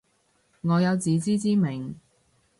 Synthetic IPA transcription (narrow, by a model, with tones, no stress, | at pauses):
ŋɔː˨˧jɐ˨˧wt͡siː˨˧t͡siː˥t͡siː˥mɪ˨˩ŋ